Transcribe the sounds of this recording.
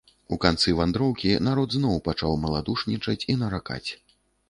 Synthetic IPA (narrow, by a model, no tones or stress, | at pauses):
ukant̪sɨvand̪ɾɔwkʲinaɾɔd̪znɔwpat͡ʂawmɐlˠad̪uʂnʲit͡ʂɐt͡sʲinɐɾaka̰t͡sʲ